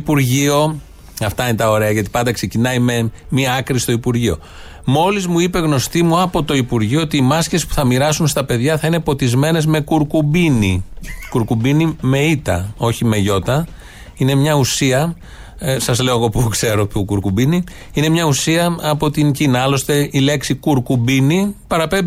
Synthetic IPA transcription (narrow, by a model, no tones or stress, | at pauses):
ipuɾʝio̞ | ɐft̪ɐinet̪ɐo̞ɾe̞ɐʝɐt̪i̥pɐnd̪ɐkse̞cinɐime̞ | miɐkɾist̪o̞ipuɾʝio̞ | mo̞lizmuipe̞ɣno̞st̪imuɐpo̞t̪o̞ipuɾʝioot̪iːmɐsce̞si̥pu̥θɐmiɾɐsunst̪ɐpe̞ðʝɐθɐine̞po̞t̪izme̞ne̞zme̞kuɾkubinikuɾkubinime̞it̪ɐ̰o̞çime̞ʝo̞t̪ɐ | ine̞mɲɐusiɐ | sɐzle̞oɣo̞pukse̞ɾo̞t̪ukuɾkubini | ine̞mɲɐusiɐɐpo̞t̪iɲcinɐɐlo̞st̪e̞ile̞ksikuɾkubinipɐɾɐpembi